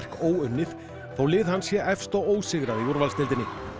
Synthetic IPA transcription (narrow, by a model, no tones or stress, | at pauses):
r̥koːwʏnːɪθ | θawlɪːðhanːsjɛɛfst̪ɔɣoːwsɪɣɾaðiuɾvalst̪ɪlt̪ɪnːɪ